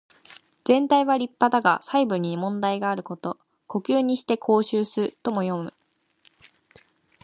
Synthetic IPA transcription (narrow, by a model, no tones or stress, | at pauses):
d͡z̥ẽ̞nt̪aiβaɾʲipːad̪aɡa̰saibɯ̟ɲ̟ːimõ̞nd̪aiɡaːɾɯ̟ko̞t̪o̞ | ko̞kʲɨːɲ̟iɕi̥t̪e̞kʰo̞ːɕɨːsɨɯt̪o̞mo̞jo̞mɯ̟